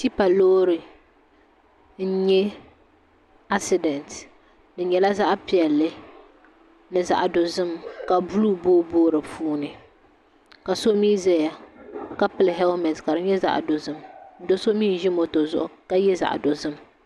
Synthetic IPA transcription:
ti˦pa˨loː˦ɾɨ˨ | n̩˦ɲɛ˦ | a˦sɪ˨dɛ˨nt | dɨ˨ɲɛ˨la˦za˦ʔpi˨ɛ˨lːɨ˦ | nɨ˨za̰˨ʔdo˨zɨ˦mka˨bu˦luː˦boː˦boː˦ɾɨ˨fuː˦nɨ˨ | ka˨so˦miː˦zɛ˦ja˨ka˦pɨ˦lɦɛ˦lmɛ˨tka˨ɾɨ˦ɲɛ˦za̰˨ʔdo˨zɨ˦mn̩˦do˦so˦miː˦˨n˨˦ʒɪ˦mo˨to˨zʊ̰˦˨ʔʊ˦ka˦jɛ˦za̰˨ʔdo˨zɨ˦m

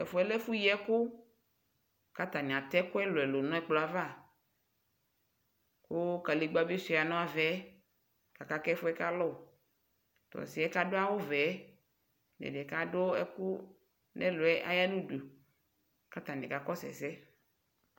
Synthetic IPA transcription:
ɛ˨fo˨˦ɛ˦lɛ˦fu˦jɛ˦kʊ˦ | ka˦t̪a˨nĩ˨a˨t̪ɛ˦kʊ˦ɛ˦lʊ˨ɛ˨lo˨nɔ̃˦ɛ˦k͡plo˦a˦va˦˨ | kʊ˦ka˨li˨ɡ͡ba˦bi˦si˨˦˨a˨nɔ̃˦a˨vɛ˨˦ | ka˨ka˨kɛ˦fʊ˦ɛ˦ka˦lɔ˦˨ | t̪ɔ̰˨si˨ɛ˦ka˦ɖo˦a˦wo˦vɛ˨˦ | nḛ˨dɛ˨ka˦ɖo˦ɛ̰˦kʊ˦ | nɛ˦lo˨ɛ˦ʔa̰˦ja˦nu˦du˨ | ka˦t̪a˨nḭ̃˨ka˨kɔ˦sɛ̰˨sɛ˦

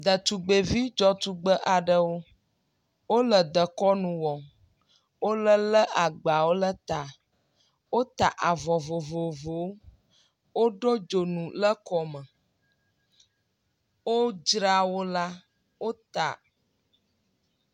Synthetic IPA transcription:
d̪ə˨t̪u˨ɡ͡be˨vi˦d͡ʒɔ˦t̪u˨ɡ͡bə˦ʔa˨ɖə˦wo˦ | wo˦lə˨d̪ə˨kɔ˦nũ˨wɔ˨ | wo˦lə˦lə˦ʔa˨ɡ͡ba˨wo˦lə˦t̪a˨ | wo˦t̪a˨ʔa˨vɔ˨vo˨vo˨vo˨˦ | wo˦ɖo˦d͡ʒo˨nũ˨lə˦kɔ˨mə̃˨ | wo˦d͡ʒɾa˦wo˦la˦ | wo˦t̪a̰˨

